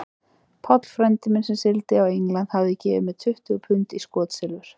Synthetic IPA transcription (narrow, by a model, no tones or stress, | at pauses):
pʰɔt̪l̥fɾɛnt̪ɪmɪnsɛmsɪlt̪ɪawiŋlant̪havðɪcɛːvɪ̰mɛðt̪ʰʏht̪ʏɣpʰʏnt̪iskɔːt̪sɛlvʏɾ̥